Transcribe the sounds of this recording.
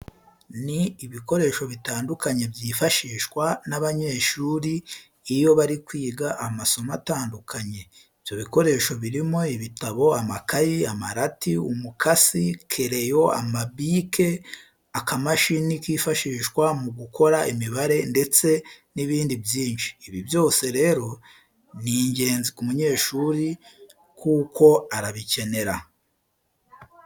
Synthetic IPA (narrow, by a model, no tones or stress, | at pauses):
niːβiko̞ɾe̞ːʃo̞βitaːndukʰaɲe̞bjiːfaʃiːʃwanaβaɲe̞ːʃuːɾiː | jo̞βaɾikwiːɡaʔːmaso̞mataːndukʰaɲe̞ | ivjo̞βiko̞ɾe̞ʃo̞βiɾimo̞iβitaβo̞amakajiamaɾatiumukʰasikʰeɾejo̞a̰mabikʰe̞ | akamaʃinikiːfaʃiːʃɡwamuɡukʰo̞ɾaʔimiβaɾe̞nde̞t͡se̞niβiːndibjiːnʃi̥ːβibjo̞ːse̞ɾe̞ːɾo̞ | niːɲɟe̞ːnzikumuɲe̞ːʃuɾi | kʰuːko̞aɾaβice̞ne̞ɾa